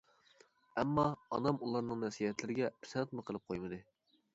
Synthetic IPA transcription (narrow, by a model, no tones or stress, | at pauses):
ɛmːɑ̰ːnɑmulˠɑɾnɨŋnɛsijɛt̪lɪɾɪɡʲɛpʰɪ̥sɛnt̪mɨqʰəlˠɨp̚qʰojmɨd̪ɨ